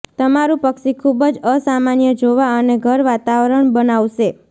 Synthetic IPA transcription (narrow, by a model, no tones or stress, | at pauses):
t̪əmaɾũpəkʃikʰubəd͡ʒəsamanjəd͡ʒoʋaəneɡʱəɾʋat̪aʋəɾəɳbənaʋʃe